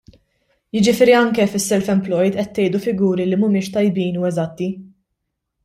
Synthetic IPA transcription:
jɪd͡ʒɪfɪːɾiɐŋkɛfɪsːɛlfɛmplɔjd̪ʔɛt̪ːɛjd̪ufɪɡuːɾilimʊmɪːʃt̪ɐjbiːnuːɛzɐt̪ːi

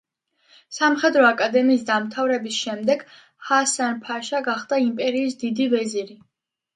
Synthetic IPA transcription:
samχɛd̪ɾɔakʼad̪ɛmiːsd̪amt̪ʰavɾɛbisʃɛmd̪ɛɡ̥ | hasanpʰaʃaɡaχd̪aimpʼɛɾiːs̬d̪id̪ivɛziɾi

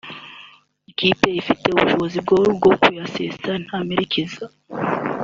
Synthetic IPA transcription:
ikipe̞ifite̞uβuʃo̞βo̞zib̚ɡoɾubɡo̞kujasestan̥ameɾikiza

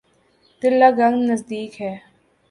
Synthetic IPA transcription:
t̪ɪɾlːaːɡɐŋɡnɐzd̪iːkɦɛː

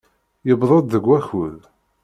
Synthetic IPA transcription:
jəbðˤəd̪ðəɡʷːæçuð

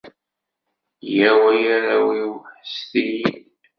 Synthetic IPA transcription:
jæwæjaɾawiwħəst̪iji

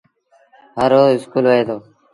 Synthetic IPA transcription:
ɦəɾoːɪskuːlʋəɦeːd̪oː

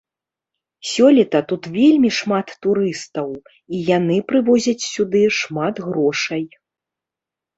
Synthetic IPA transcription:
sʲɔlʲit̪ɐt̪ut̪vʲelʲmʲiʂmat̪ːuɾɨst̪ɐw | ijanɨpɾɨvɔzʲɐt͡sʲsʲud̪ɨʂmat̪ɣɾɔʂɐj

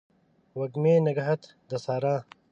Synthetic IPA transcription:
wɐɡmeːnɐɡɐɦɐt̪ | d̪ɐsaːɾãː

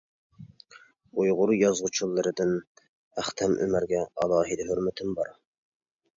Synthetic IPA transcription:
ujʁʊɾjɑzʁʊt͡ʃʰulˠːɨɾɨd̪ɪn | æχt̪ʰɛmʔø̰mæɾɡʲɛɑ̰lˠɑːɦid̪ɪɦøɾmɪt̪ʰɪmbɑɾ

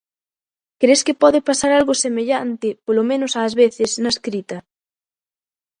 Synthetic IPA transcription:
kɾeskɪpɔðɪpasaɾalɣosemeʎant̪ɪpolomẽnʊsaːzβeθɪsnaskɾit̪ɐ

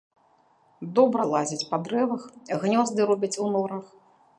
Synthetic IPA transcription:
d̪ɔbɾɐlˠazʲit͡sʲpad̪ɾɛvɐxiɣnʲɔzd̪ɨɾɔbʲit͡sʲunɔɾɐx

